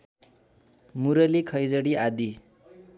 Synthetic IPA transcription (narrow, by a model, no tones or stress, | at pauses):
muɾʌlikʰʌjd͡zʌɽiad̪i